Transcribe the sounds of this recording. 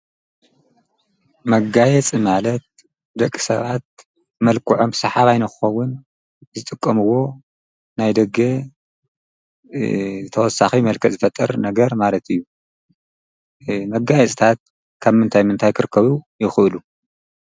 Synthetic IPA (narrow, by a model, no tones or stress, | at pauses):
mɐɡajɛt͡sʼimalɐt̪̚ | d̪ɐkʼːi̥sɐ̰βat̪̚ | mɐlkʰɨʕo̞mbsɐħaβajnɐkɨxɐwːʊn | zɨt̪ʼɨkʼːɐmɨwo̞ | najd̪ɐɡe | ɨt̪ʰɐwɔsːaximɐlkʰɐzɨfɐt̪ʼːɐɾnɐɡɐɾmalɐt̪ʰɨjːu | mɐɡajɛt͡sʼit̪ʰat̪̚ | kʰaβmɨnt̪ʰajmɨnt̪ʰajkʰɨɾɨkʰːɐβujɪxɨʔɨlu